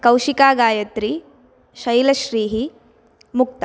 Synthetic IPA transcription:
kɐwʃikaːɡaːjɐt̪ɾi | ʃɐjlɐʃɾiːɦi | muk̚t̪ɐ

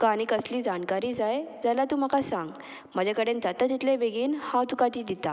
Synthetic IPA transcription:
kaɽ̃ikəsliːd͡zankaɾiːd͡zajd͡zalat̪uːm̤akasãŋɡ | m̤əd͡ʑakəɽend͡zat̪at̪it̪lebeɡiːnhad̪ukat̪iːd̪it̪a

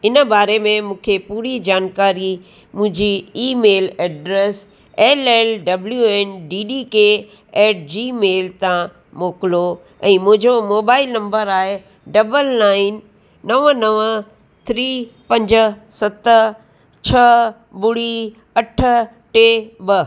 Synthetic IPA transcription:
ɪnəbaːɾemẽmũːkʰepuːɾid͡ʑaːnkaːɾi | mʊ̃ɦɪ̃ɲd͡ʑiiːmeːleːɖɾeːs | eːleːlɖɐbljueːnɖiːɖiːke | eːʈ̚ʰd͡ʑiːmeːlt̪ã | moːkɪlo | ɛ̃ːmʊ̃ɦɪ̃d͡ʑomoːbaːɪlnɐ̃mbəɾaːɦe | ɖɐbəlnaːɪn | nɐʋənɐʋə | t̪ʰɾiːpɐ̃ɲd͡ʑsɐt̪ə | t͡ɕʰɐ | bʊɽi | ɐʈʰə̆ | ʈeːbɐ

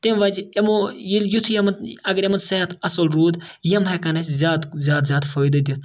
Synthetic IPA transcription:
t̪emʋɐd͡ʒemojiljut̪ʰujemɐnt̪ɐɡɐɾemɐnt̪seɦɐt̪ɐsolɾuːd̪jɐmɦɐkɐnɐsʲzʲaːt̪zʲaːt̪zʲaːt̪foːjd̪ɐd̪ʲit̪ʰ

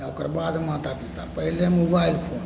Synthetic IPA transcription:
akəɾbaːd̪maːt̪apit̪a̰pəɦilemobaːilpʰoːn

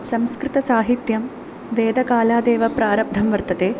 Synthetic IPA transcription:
sɐmskɾɪt̪ɐsaːɦit̪jɐm | ʋeːd̪ɐkaːlaːd̪ɛːʋɐpɾaːɾɐb̚d̪ʱɐmʋɐɾt̪ɐt̪eː

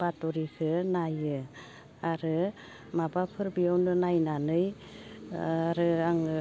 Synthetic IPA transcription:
batɔɾikʰɯnajɯ | aɾɯ | mabapʰɯɾbijawnɯnajnanɯj | aɾɯaŋ

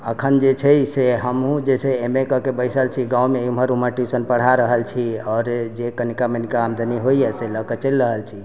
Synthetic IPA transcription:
əkʰənd͡ʒet͡ʃʰəjseɦəmɦũd͡ʒeseːmekəkebəjsəlt͡ʃʰiɡãwmeumɦəɾuməʈisənpəɽ̤aɾəɦəlt͡ʃʰiɔːɾd͡ʒekənikamenikaːmd̪ʱəniɦoijɛseləkət͡ʃelɾəɦəlt͡ʃʰi

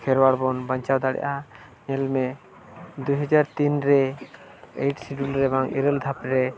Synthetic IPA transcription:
kʰɛɾwaɽbɔnbaɲt͡ʃawd̪aɽɛ̰ʔa | ɲɛlmɛ | d̪ujɦad͡ʒaɾt̪inɾɛ | ejʈsiɖulɾɛbaŋḭɾəld̪ʱapɾɛ

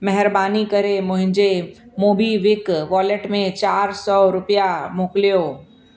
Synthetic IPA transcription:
mɛɦɪɾbaːnikɐɾemʊ̃ɦɪ̃ɲd͡ʒe | moːbʱiʋɪkʋɔːleʈmẽt͡ʃaːɾsɔːɾʊpjamoːkljoː

